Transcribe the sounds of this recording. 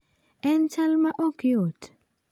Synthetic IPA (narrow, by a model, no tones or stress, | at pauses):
ɛnt͡ʃalmaʔɔkɪot